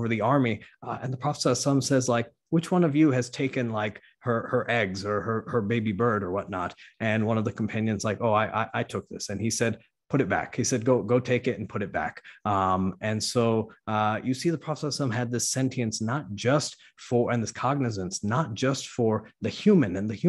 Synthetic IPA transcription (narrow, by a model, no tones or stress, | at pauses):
və˞ðiɑɹmiɨ̰̃nðəpʰɹ̥ɑfə̥sɑsʌ̃msɛzlaɪk̚ | wɨt͡ʃwʌ̃nʌvjɨɨz̥tʰeɪkɨ̃nlaɪk | hə˞hə˞ʔɛɡzə˞ə˞hə˞beɪbibɜ˞ɾə˞wʌtⁿnəɾʔɨ̃nwʌ̃nʌvðɨkʰm̩pʰæ̃njɨ̃nzlaɪkoʊaɪʔa̰ɪʔaɪtʰʊk̚ðɪ̰sɨ̃nisɛd̚ | pʰʊɾɨt̚b̥æ̰khisɛd̚ɡoʊɡoʊtʰeɪkɨɾɨn̩pʰʊɾɨt̚b̥æ̰kʔʌ̃mɨ̃nsoʊʔʌjɨsiðəpʰɹ̥ɑfə̥sasʌ̃mɨd̪̚ðɪsɛ̃ntʰiɨ̃nsnət̚d̥ʒ̥ʌst | fə˞ʔɨ̃nðɪskʰɑɡ̚nɨs̬ɨ̃nsnət̚d̥ʒ̥ʌstfə˞ðɨhjʉmɨ̃nɨ̃nðɨhj